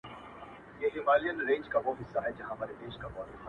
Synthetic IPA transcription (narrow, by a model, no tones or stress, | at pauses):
jeːɦɪmaːlijənɾẽːɲd͡ʒkaʋoːɦɪsːaɦɛd͡ʒɐɦãmaːɾed̪eːʃkabaːɾɪ